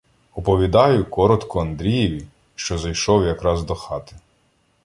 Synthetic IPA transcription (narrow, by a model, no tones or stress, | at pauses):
ɔpɔʋʲid̪ɑjʊkɔɾɔt̪kɔɐnd̪ɾʲijɛʋʲi | ʃt͡ʃɔzɐjʃɔwjɐkɾɑzd̪ɔxɑt̪ɪ̥